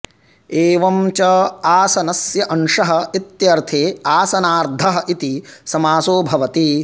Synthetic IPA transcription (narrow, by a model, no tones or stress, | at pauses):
eːʋɐmt͡ʃɐaːsɐnɐsjɐʔɐnʂɐɦɐ̆it̪jɐɾt̪ʰeːaːsɐnaːɾd̪ʱɐɦɐ̆ʔit̪isɐmaːsoːbʱɐʋɐt̪i